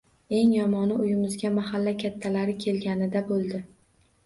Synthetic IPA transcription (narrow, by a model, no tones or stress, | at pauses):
e̞ŋjɒmɒnɪʊjɪmɪzɡʲamahalːakʲʰat̪ʰːalaɾɪkʲʰe̞lɡʲanɪd̪abolˠd̪ɪ